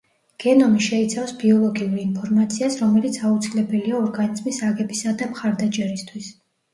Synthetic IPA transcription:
ɡ̥ɛnɔmiʃɛit̪sʰafsbiɔlˠɔɡiuɾiinpʰɔɾmat̪sʰiasɾɔmɛlit̪sʰaut̪sʰilɛbɛliaɔɾɡanizmisaɡɛbisad̪amχaɾd̪at͡ʃʼɛɾist̪ʰwis

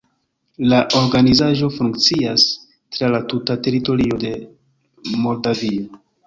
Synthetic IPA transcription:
laʔo̞ɾɡanizaʒo̞fuŋkt͡sias | tɾalatutate̞ɾito̞ɾio̞de̞ | mo̞ldavio

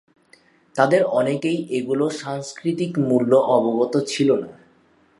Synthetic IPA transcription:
t̪ad̪eɾɔnekejʔeɡuloʃaŋskɾit̪ikmulːoʔɔboɡot̪ot͡ɕʰilona

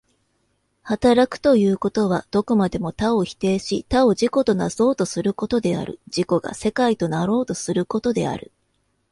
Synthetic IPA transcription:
hat̪aɾakɯ̟̥t̪o̞jɯ̟ːko̞t̪o̞β̞ad̪̥o̞komad̪e̞mo̞t̪ao̞çi̥t̪e̞ːɕit̪ao̞ʑiko̞t̪o̞naz̥o̞ːt̪o̞sɨɾɯ̟ko̞t̪o̞d̪e̞a̰ɾɯ̟̰d͡ʑiko̞ɡa̰se̞kait̪o̞naɾo̞ːt̪o̞sɨɾɯ̟ko̞t̪o̞d̪e̞̰a̰ɾɯ̟

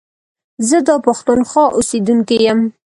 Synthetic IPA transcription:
zəd̪ɑpaxt̪unxɑʔosed̪uŋkejəm

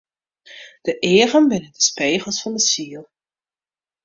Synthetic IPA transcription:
d̥əʔɪərənbɪnəndəspeːχəlˠsfɑndəsiəlˠ

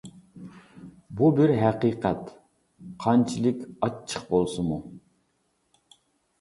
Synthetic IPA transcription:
bubɪɾɦæqiːqʰɛt̪ | qʰɑnt͡ʃʰilˠɪkʲɑt͡ʃʰːə̥qbolˠsɨmu

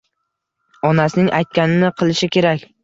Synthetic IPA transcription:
ɒnasɪnɪŋʔajt̪̚kʲanɪnɪqʰɨlˠɪʃɪkʲʰe̞ɾakʲ

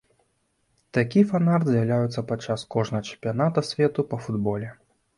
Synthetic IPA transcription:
t̪akʲifanard̪zʲjawlʲajut̪sɐpat͡ʂːaskɔʐnɐɣɐt͡ʃɛ̥mpʲijanat̪ɐsʲvʲɛt̪upɐfud̪bɔlʲɛ

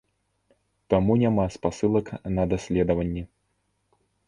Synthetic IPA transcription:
t̪amunʲamaspasɨlˠɐknɐd̪asʲlʲɛd̪ɐvɐnʲːɛ

